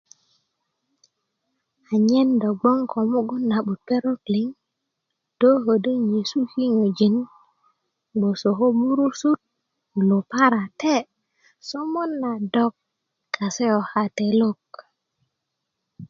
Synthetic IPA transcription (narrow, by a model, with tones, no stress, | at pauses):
a˨ɲe˦ndo˨ɡ͡bo˦ŋkʰo˨mo˦ɡo˦nːa˨ɓu˨t̚pe˦ɾo˦kli˨˦ŋ | d̥o˦ɦo˨də˦ɲe˨su˦hi˦ŋo˨d͡ʒi˨n | ɡ͡bo˨so˨ɦo˦mu˦ɾu˦su˦t̚ | lo˨pa˦ɾa˨te˦ | so˦mo˦nːa˨dɔ˦kː | a˨se˦jo˨ha˨te˨lo˦k